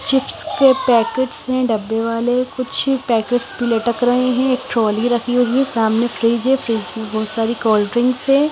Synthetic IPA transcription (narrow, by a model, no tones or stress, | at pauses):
t͡ʃɪpskepɛːkeʈsɦɛ̃ɖɐbːeʋaːlekʊt͡ʃʰpɛːkeːʈsbileʈəkɾɐɦeɦɛ̃eːk̚ʈɾɔːliɾɐkʰioɦisaːmnefɾiːd͡ʒɦɛ̃fɾiːd͡ʒẽbɔːt̪saːɾikɔːlɖɾɪ̃ŋɡsɛ̃